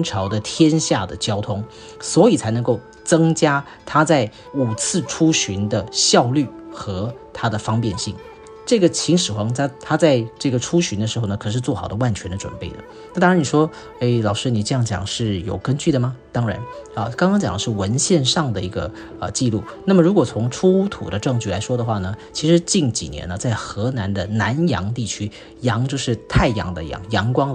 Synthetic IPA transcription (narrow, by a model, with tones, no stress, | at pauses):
nʈ͡ʂʰɑ˧˥ʊd̪ə˧t̪ʰjɛ˥nɕja˥˩d̪ə˩t͡ɕjɑ˥ʊt̪ʰʊ˥ŋ | swɔ˧˥i˨˩t͡sʰa˧˥ɪnɤ˧ŋko˥˩ʊ | t͡sɤ˥ŋt͡ɕja˥ | t̪ʰa˥t͡sa˥˩ɪ | u˨˩t͡sʰɹ̩˥˩ʈ͡ʂʰu˥ɕy˧˥nd̪ə˧ɕjɑ˥˧ʊly˥˩xɤ˧˥t̪ʰa˥d̪ə˨fɑ˥ŋpjɛ˥˧nɕḭ˥˩ŋ | ʈ͡ʂɤ˥˩ɡə˩t͡ɕʰi˧˥ŋʂɻ̩˨˩xwɑ˧˥ŋtʰa˥t̪ʰa˥t͡sa˥˧ɪʈ͡ʂɤ˥˩ɡə˩ʈ͡ʂʰu˥ɕy˧˥nd̪ə˧ʂɻ̩˧˥xo˥˩ʊnə˩kʰɤ˨˩ʂɻ̩˥˧t͡swɔ˥˩xɑ˨˩ʊd̪ə˦wa˥˩nt͡ɕʰɥɛ˧˥nd̪ə˧ʈ͡ʂwə̰˨˩npe˥˩ɪd̪ə̰˩ | na˥˩t̪ɑ˥ŋɻa˧˥ni˨˩ʂwɔ˥ | e˥˩ɪlɑ˨˩ʊʂɻ̩˥ni˨˩ʈ͡ʂɤ˥˧jɑ˥˩ŋt͡ɕjɑ̰˨˩ŋʂɻ̩˥˩jo̰˨˩ʊkə˥nt͡ɕy˥˩ɾə˩mɐ˩t̪ɑ˥ŋɻa̰˧˥nə˧kɑ˥ŋkɑ˥ŋt͡ɕjɑ̰˨˩ŋd̪ə˦ʂɻ̩˥˩wə˧˥nɕjɛ˥˧nʂɑ˥˩ŋd̪ə˩i˧˥ɡə̰˧ | ə̰˧t͡ɕi˥˧lu˥˩na˥˩mə˩ɻu˧˥kwɔ˨˩t͡sʰʊ˧˥ŋʈ͡ʂʰu˥t̪ʰṵ˨˩d̪ə˦ʈ͡ʂɤ˥˧ŋt͡ɕy˥˩la˧˥ɪʂwɔ˥d̪ə˨xwa˥˩nə˩t͡ɕʰi˧˥ʂɻ̩˧˥t͡ɕi˥˩nt͡ɕḭ˨˩njɛ̰˧˥nə˧t͡sa˥˩ɪxɤ˧˥na˧˥nd̪ə˧na˧˥njɑ̰˧˥ŋt̪i˥˩t͡ɕʰy˥ | jɑ˧˥ŋt͡ɕjo˥˧ʊʂɻ̩˥˧t̪ʰa˥˩ɪjɑ̰˧˥ŋd̪ə̰˧jɑ̰˧˥˩ŋjɑ˧˥ŋkwɑ˥ŋ